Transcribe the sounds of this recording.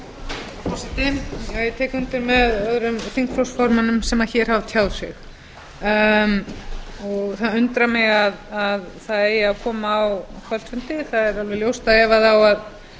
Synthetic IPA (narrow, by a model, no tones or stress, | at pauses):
ɔsɪt̪ɪajɛt̪ʰɛːkʏnt̪ɪɾmɛðœðɾʏmθiŋkfɾowsfɔɾmʏnʏmsɛmaðçɛːɾ̥havt̪ʰjawðsɪ̰x | m | ɔɣθaðʏnt̪ɾamɪɣaðaðθaðɛjɪavkʰɔːmaːwkʰvœl̥t̪sfʏnt̪ɪθaðɛɾalvɛljowst̪aɛvaðawað